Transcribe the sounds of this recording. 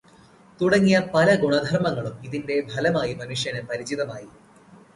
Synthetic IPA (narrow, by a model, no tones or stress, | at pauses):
t̪uɽɐŋːijɐpɐlɐɡuɳɐd̪ʱɐrmɐŋːɐɭumiðinde̞bʱɐlɐmaːjimɐnuʂjɐnɐpɐɾit͡ɕiðɐmaːji